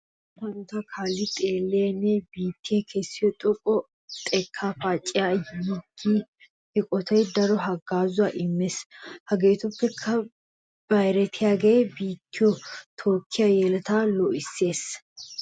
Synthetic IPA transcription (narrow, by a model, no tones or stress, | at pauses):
hɐnt̪ɐkʰaːlːɪt̪ʼe̞ːlːenːɛbiːt̪ːɪjɛkʰɛsːɪjɔt̪ʼʊkʼɔ | t̪ʼɛkʰːaːfaːt͡ʃʼːɪjajɪɡːi | ɪkʼɔt̪ʰɐjd̪ɐɾɔɦɐɡaːzʊwaʔɪmːeshɐɡeːt̪ʊpːɛkʰːɐ | b̥ɐjɾɛt̪ʰɪjaːɡeːbiːt̪ːɪjɔt̪ʰoːkʰːɪjɐjɛlɐt̪aːlɔʔɪsːe̞ːs